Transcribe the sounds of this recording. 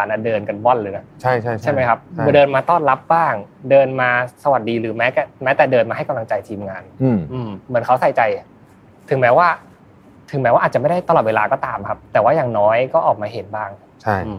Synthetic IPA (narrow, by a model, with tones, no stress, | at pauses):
aː˩˦nʔa˧˩dɤː˧nka˧nwɔ˥˩nlɯː˨˧˦na˦˩t͡ɕʰa˥˩jʰt͡ɕʰa˥˩jma˦˥jkʰa˦˥p̚dɤː˧nmaː˧t̪ɔː˥˩nla˦˥p̚baː˥˩ŋdɤː˧nmaː˧sa˧wa˨˩t̪̚diː˧ɾɯː˩˦mɛː˦˥kɛː˨˩mɛ˦˥t̪ɛː˨˩dɤː˧nmaː˧a˥˩jka˧mla˧ŋt͡ɕa˧jt̪ʰiː˧mŋaː˧nː˧˩ʔɯː˧mːɯ˩˦ənkʰa˦˥wsa˨˩jt͡ɕa˧j | t̪ʰɯ˨˩˦mɛː˦˥waː˥˩ | t̪ʰɯ˨˩˦ŋmɛː˦˥waː˥˩ʔːt̚t͡ɕm˥˩da˥˩jt̪a˧lɔː˨˩t̪we˧laː˧kɔː˥˩t̪aː˧mkʰa˦˥p̚t̪ɛː˨˩waː˥˩jaː˨˩ŋnɔː˦˥jkɔː˥˩ʔɔː˨˩k̚maː˧ɦe˨˩˦nbaː˥˩ŋ | t͡ɕʰa˥˩ʔɯː˧m